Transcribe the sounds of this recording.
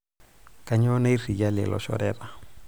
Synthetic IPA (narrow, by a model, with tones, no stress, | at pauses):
ka˨ɲɔ˦na˦i˦ri˨d͡ʒa˦lɛ̰˨lɔ̰˨ʃɔ̰ɾɛra˨